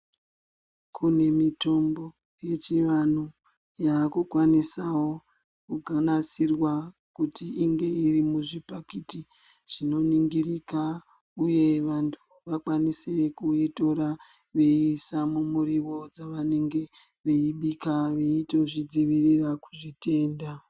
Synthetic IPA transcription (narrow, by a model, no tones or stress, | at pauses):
kʰune̞mito̞mbo̞ | je̞t͡ʃiʋan̤u | jaːkukwanisawo̞ | kuɡʱanasirwa | kutiiŋɡe̞irimuʐipakiti | ʐ̥ino̞niŋɡirika | uje̞ʋantʰu̥ | ʋakwanisekuito̞ɾa | ʋe̞isamumuɾiwo̞d͡zaʋane̞ŋɡe̞ | ʋe̞iɓikaʋeitoʐid͡ziʋiriraku̥ʐite̞ːnda